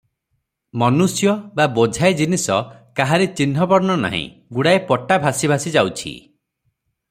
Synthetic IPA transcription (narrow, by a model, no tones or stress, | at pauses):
mɔnusjɔbabod͡ʒʱaed͡ʒinisɔkaɦaɾet͡ʃinɦɔbɔɾnɔna̰ɦḭ̃ | ɡuɽaepɔʈabʱasibʱasid͡ʒawt͡ʃʰḭ